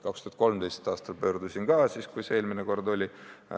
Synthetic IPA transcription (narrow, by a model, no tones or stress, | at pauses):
kɑkst̪uhɑt̪̚ko̞lmd̪ejst̪ɑːst̪ɑlpø̞ːrd̪̥usiŋɡ̥ɑːsiːskujseeːlmineko̞rd̪o̞lʲi